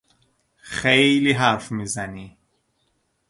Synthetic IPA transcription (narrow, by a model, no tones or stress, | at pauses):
xejliɦæɾfmiːzæni